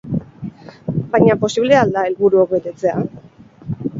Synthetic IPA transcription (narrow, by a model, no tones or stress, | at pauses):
bajɲapo̞siβle̞ald̪ae̞lβuɾuok̚be̞t̪e̞t͡se̞a